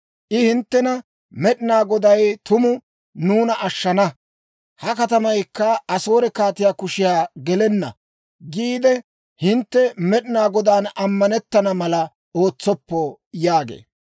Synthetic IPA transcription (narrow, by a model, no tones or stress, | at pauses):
ʔɪhɪnt̪ːɛnɐ | mɛɗɪnaːɡɔd̪ɐjt̪ʊmʊ | nuːnɐʔɐʃːɐnɐ | hɐkɐt̪ɐmɐjkːɐɐso̞ːɾɛkaːt̪ɪjaːkʊʃɪjaːɡɛlɛnːɐ̰ | ɡiːd̪ɛ | hɪnt̪ːɛmɛɗɪnaːɡɔd̪aːnɐmːɐnɛt̪ːɐnɐmɐlɐ | oːt͡sːɔpːɔ | jaːɡḛː